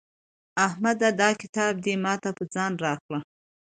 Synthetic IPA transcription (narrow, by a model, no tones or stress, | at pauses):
ahmad̪ad̪ɑkɪ̥t̪ɑb̚d̪emɑt̪apəd͡zɑnɾɑxla